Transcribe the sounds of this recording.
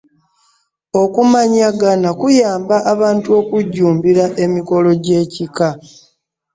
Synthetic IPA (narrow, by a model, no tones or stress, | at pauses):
o̞kumaɲaɡanakujaːmbaʔaβaːntuo̞kuɟːuːmbiɾaʔe̞miko̞lo̞ɟe̞ːcika